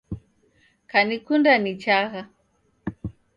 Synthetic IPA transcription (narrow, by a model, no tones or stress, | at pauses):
kanikundanit͡ʃaɣa